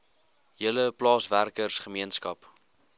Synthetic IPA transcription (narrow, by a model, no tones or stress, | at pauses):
ɦiələplɑːsværkərsχəmiənskɐp